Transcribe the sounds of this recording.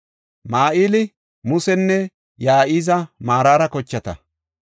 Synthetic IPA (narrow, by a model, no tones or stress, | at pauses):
maːʔiːlɪ | mʊsɛnːɛ | jaːʔiːzɐmaːɾaːɾɐkɔt͡ʃːɐt̪ɐ̰